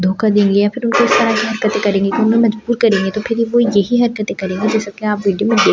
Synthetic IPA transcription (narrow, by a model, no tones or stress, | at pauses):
d̪ʱoːkad̪ẽːŋɡejaːpʰɪɾʊnkoɪst̪ɐɾakiɦɐɾkət̪ekɐɾẽːŋɡek̪iʊnmẽmɐd͡ʒbuːɾkɐɾẽːŋɡet̪opʰɪɾiʋojɐɦiɦɐɾkət̪ekɐɾẽːɡad͡ʒɛːsɐkeaːpʋiːɖijomẽd̪eː